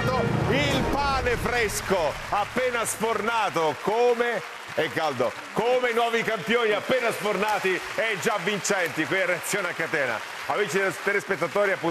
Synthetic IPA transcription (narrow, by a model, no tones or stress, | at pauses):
oilpaːnefɾesko | apːeːnaspornaːt̪okoːme | ekːald̪o | komenwɔːvikampjoːniapːeːnaspornaːt̪iɛd͡ʒavːint͡ʃɛnt̪ikwilaɾeat̪sːjoːneakːat̪ɛːna̰ | avit͡ʃid̪st̪ɾespet̪ːat̪ɔːɾiapːu